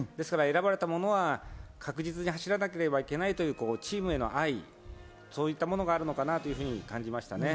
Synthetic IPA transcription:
d̪e̞sɨ̥kaɾae̞ɾabaɾe̞t̪amo̞no̞β̞akʰakɯ̟ʑit͡sɨɲ̟iɦaɕiɾanake̞ɾe̞baike̞nait̪o̞jɯ̟ːko̞ːt͡ɕiːmɯ̟e̞no̞̰ʔai | so̞ːit̪ːamo̞no̞ɡaːɾɯ̟no̞kanat̪o̞jɯ̟ɸɯ̟ːɲ̟ikãɲ̟d͡ʑimaɕi̥t̪ane̞

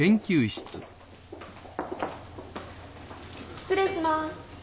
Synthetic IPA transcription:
ẽ̞ŋkʲɨːiɕi̥t͡sɨ | kʲi̥t͡sɨɾeɕimas

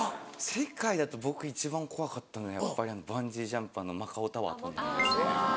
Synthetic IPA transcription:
se̞kaid̪at̪o̞bo̞kɯ̟it͡ɕibãŋkʰo̞βakat̪ːanoɡajapːaɾʲiano̞bãɲd͡ʑiʑãmpanːo̞makaot̪aβa̰t̪õnd̪ad̪es

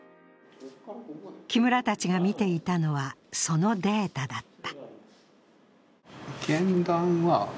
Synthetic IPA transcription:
kʲimɯ̟ɾat̪at͡ɕiɡamʲit̪e̞it̪ano̞βaso̞no̞d̪e̞ːt̪ad̪at̪ːḁ | ɡ̥ẽnd̪ãɰ̃βa

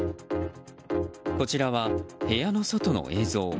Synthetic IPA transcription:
ko̞t͡ɕiɾaβahe̞jano̞so̞t̪o̞no̰ʔe̞ːzo̞ː

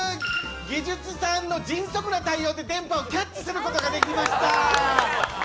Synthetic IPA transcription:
ɡʲid͡ʑɨt͡sɨsãnːo̞d͡ʑĩɰ̃so̞kɯ̟nat̪aiːo̞ːd̪e̞t̪ẽ̞mpao̞kʲat͡ɕt͡ɕːi̥sɨɾɯ̟ko̞t̪o̞ɡad̪e̞kʲimaɕi̥t̪a

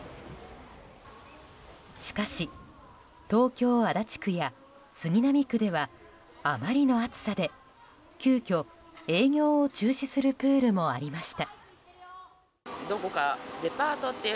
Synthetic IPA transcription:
ɕi̥kaɕi | t̪o̞ːkʲo̞ːad̪at͡ɕi̥kɯ̟ja | sɨɲ̟ʲinamʲikɯ̟d̪e̞βa | amaɾʲino̞at͡sɨ̥sad̪e̞ | kʲɨːkʲo̞ | e̞ːŋʲo̞ːot͡ɕɨːɕisɨɾɯ̟pɯ̟ːɾɯ̟mo̞aɾʲimaɕi̥t̪a | d̪o̞ko̞kad̪e̞paːt̪o̞t̪ːe

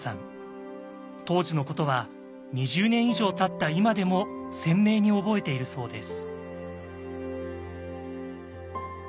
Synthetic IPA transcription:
sã̰n | t̪o̞ːʑino̞ko̞t̪o̞βa | ɲ̟iʑɨːnẽ̞ɰ̃iʑo̞ːt̪at̪ːaimad̪e̞mo̞sẽ̞mːe̞ːɲ̟io̞bo̞e̞t̪e̞iɾɯ̟so̞ːd̪e̞sɨ̥

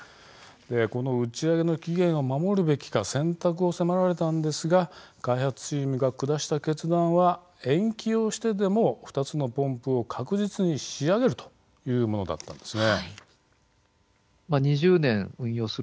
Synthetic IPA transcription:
d̪̥e̞ko̞no̞ɯ̟t͡ɕiaɡe̞no̞kʲiɡẽ̞ɰ̃o̞mamo̞ɾɯ̟be̞kʲi̥kasẽ̞nt̪akɯ̟o̞se̞maɾaɾe̞t̪ãnd̪e̞sɨɡakaihat͡sɨ̥t͡ɕiːmɯ̟ɡakɯ̟d̪aɕi̥t̪ake̞t͡sɨd̪ãɰ̃βa | ẽ̞ŋkʲio̞ɕi̥t̪e̞d̪e̞mo̞ɸɯ̟̥t̪at͡sɨno̞põ̞mpɯ̟o̞kʰakɯ̟ʑit͡sɨɲ̟iɕiaɡe̞ɾɯ̟t̪o̥ | jɯ̟ːmo̞no̞d̪a̰t̪ːã̰nd̪e̞sɨne | maɲ̟iʑɨːnẽɰ̃ɯ̟̃ɰ̃jo̞ːsɨ

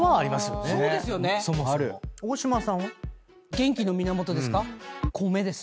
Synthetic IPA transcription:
βaːɾʲimasɨjoneoːdesɨjonesomoaɾɯ̟oɕimasã | ɡẽ̞ŋkʲino̞mʲinamo̞t̪o̞d̪e̞sɨ̥kakʰome̞d̪e̞sɨ̥

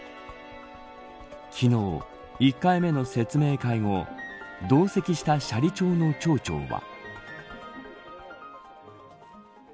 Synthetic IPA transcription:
kʲʰino̞ː | ikːaime̞no̞se̞t͡sɨme̞ːkaiŋo̞d̪o̞ːse̞kʲiɕi̥t̪aɕaɾʲit͡ɕo̞ːno̞t͡ɕo̞ːt͡ɕo̞̰ːβa̰

